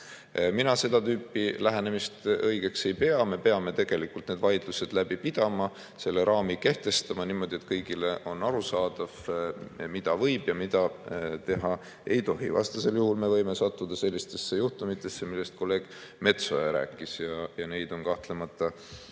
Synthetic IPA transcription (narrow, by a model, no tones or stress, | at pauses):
minɑse̞d̪̥ɑt̪yːpːˑilæɦene̞mist̪ɤjɡ̥e̞kse̞jpe̞ɑme̞pe̞ɑme̞t̪e̞ɡ̥e̞likult̪ned̪̥vɑjd̪̥luse̞d̪̥læb̥ipid̪̥ɑmɑ | se̞lːe̞ɾʔɑːmike̞ht̪e̞st̪ɑmɑniːmo̞d̪̥ʲie̞t̪kɤjɡile̞ʔo̞nɑɾusɑːd̪̥ɑv̥ | mid̪̥ɑvɤ̞jb̥jɑmid̪̥ɑt̪e̞ɦɑ | e̞jt̪o̞ɦivɑ̰st̪ɑse̞ljuhulme̞vɤ̞jme̞sɑt̪ːud̪̥ɑse̞lʲːist̪e̞sːe̞juht̪umit̪ːˑe̞sːemilːe̞st̪̚ko̞lːe̞ːɡ̥me̞t̪so̞jɑɾæ̰ːkːˑisjɑjɑne̞jd̪̥o̞nkɑht̪le̞mɑt̪ːˑɑ